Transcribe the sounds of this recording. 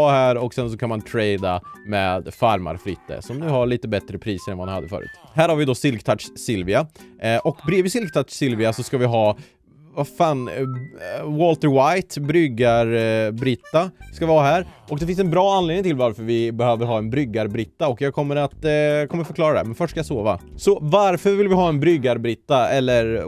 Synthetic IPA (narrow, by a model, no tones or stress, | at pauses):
hæːɾɔksɛnsɔkʰanmant̪ʰɾɛɪd̪a̰mɛːd̪faɾma̰ɾfɾɪ̰t̪ːə̰sɔmnʉːhaɭiːt̪əbɛt̪ɾəpʰɾiːsəɾɛnvaanhad̪ːəfœ̰ːɾʉ̰ːt̪hæːɾhaɾvɪd̪ɔsɪlkt̪ʰaʈʂsɪlvɪaʔɔkbɾeːvɪsɪlk̚t̪ʰaʂsɪlvɪasɔskavɪɦɑː | vafaːn | wɔlt̪əɾwajt̪bɾʏɡaɾbɾɪt̪ːaskavɪhɑːɦæːɾʔɔk̚d̪ɛfɪnsɛnbɾɑːanleːd̪ɪŋt̪ʰɪlvaɾfœɾvɪbɛhøːvəɾɦɑːɛnbɾʏɡːaɾbɾɪt̪ːaɔkjɑɡ̚kʰɔmːəɾat̪kʰɔmːəɾfœɾklɑːɾad̪æ̰ɾmɛnfœʂʈːʂkajɑsoːva̰sɔvaɾfœɾvɪlvɪɦɑːɛnbɾʏɡːaɾbɾɪt̪ːaɛlːəɾ